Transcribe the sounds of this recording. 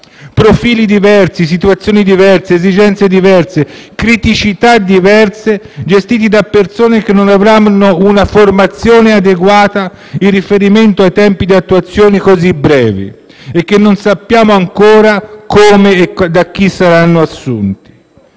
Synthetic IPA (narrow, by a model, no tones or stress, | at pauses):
pɾofiːlid̪ivɛrsis̬it̪uat̪sːjoːnid̪ivɛrseːzid͡ʒɛnt̪sed̪ivɛrse | kɾit̪it͡ʃit̪ad̪ivɛrse | d͡ʒest̪iːt̪̬id̪apːersoːnek̟enːonavɾamnounaformat̪sːjoːnead̪eɡwaːt̪a | irːifeɾiment̪oajt̪ɛmpid̪iat̪ːuat̪sːjoːnikozibɾɛːvḭ | ek̟ːenːonsapːjaːmoaŋkoːɾakoːmeːd̪ak̟ːisːaɾanːoasːṵnt̪i̥